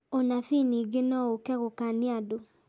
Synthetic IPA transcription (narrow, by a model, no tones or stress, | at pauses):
onafiniɡenɔokɛɣokaneado